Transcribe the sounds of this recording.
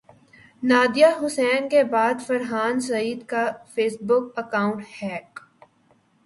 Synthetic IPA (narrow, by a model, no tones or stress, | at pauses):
naːd̪ijaɦʊsɛːnkebaːd̪fɐɾɦaːns̬ɐiːd̪kafeːsbʊkɐkaːʊ̃ɳʈhɛːk